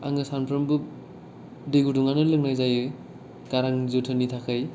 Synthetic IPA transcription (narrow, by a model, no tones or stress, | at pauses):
a̰ŋɯsanpʰɾɯmbɯ | deɡuduŋanɯlɯŋ̚najzajɯ | ɡ̥aɾaŋzotʰɯnitʰakʰɯj